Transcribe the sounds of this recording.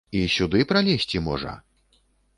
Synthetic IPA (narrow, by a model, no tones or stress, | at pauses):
isʲud̪ɨpɾalʲesʲt͡sʲimɔ̰ʐɐ̰